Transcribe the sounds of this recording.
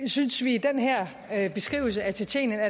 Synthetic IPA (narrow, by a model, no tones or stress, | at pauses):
synsʋid̥enɦɛɐ̰ | b̥e̝sɡ̥ʁḭːʊl̩səæɐt͡sʰet͡sʰḛnənæ